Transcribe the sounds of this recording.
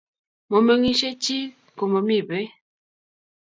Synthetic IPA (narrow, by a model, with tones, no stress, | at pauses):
mo˨mə˨ŋi˦ʃe˦t͡ʃi˦ | ko˨mo˨mi˦˨be˦